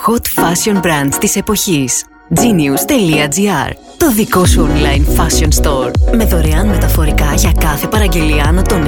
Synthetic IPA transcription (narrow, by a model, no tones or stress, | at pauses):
xo̞t̪fɐsio̞nbɾɐnd̪t̪ise̞po̞çis | d͡ziniust̪e̞liɐd͡ziɐ̰ɾ | t̪o̞ðiko̞suonlɐjnfɐsio̞nst̪o̞ɾme̞ðo̞ɾe̞ɐnme̞t̪ɐfo̞ɾikɐʝɐkɐθe̞pɐɾɐɲɟe̞liɐnɐt̪o̞n